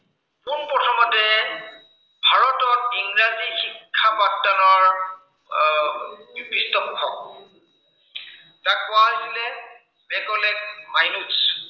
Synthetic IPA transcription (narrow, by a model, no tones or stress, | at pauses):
punpɹɔtʰɔmɔtɛ | bʱaɹɔtɔkiŋɹazixikʰːapatːanɔɹ | pistɔkʰːɔk̚ | tak̚ːʊaasilɛ | mɛkɔlɛk̚majnus